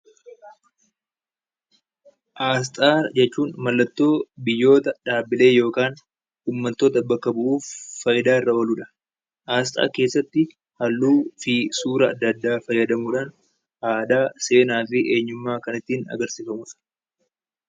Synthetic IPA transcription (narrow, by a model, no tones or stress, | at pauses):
ʔaːs̬t̪ʼaːd͡ʒɛt͡ʃːuːnmɐlːɐt̪ːo̞ːbɪjːo̞ːt̪ɐᶑaːbɪle̞ːjo̞ːkaːn | uːmːɐt̪ːoːt̪ɐbɐkːɐbʊʔuːfːɐjɪd̪aːɪrːɐoluːᶑɐ̥ | ʔaːs̬t̪ʼa̰ːke̞ːsːɐt̪ːɪ | hɐlːuːfɪsuːɾɐ̰ːd̪ːɐd̪ːaːfɐjːɐd̪ɐmuːᶑaːn | ʔaːd̪aːse̞ːnaːfɪʔe̞ːɲːʊmːaːkɐnɪt̪ːiːnɐ̰ɡɐɾsiːfɐmʊf